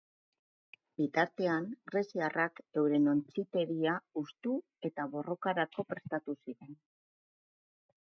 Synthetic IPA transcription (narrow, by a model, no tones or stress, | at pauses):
bit̪aɾt̪e̞aŋɡɾe̞siarakd̪e̞wɾe̞no̞nt͡sit̪e̞ɾiaust̪u | e̞t̪aβo̞ro̞kaɾako̞pɾe̞st̪at̪usiɾe̞n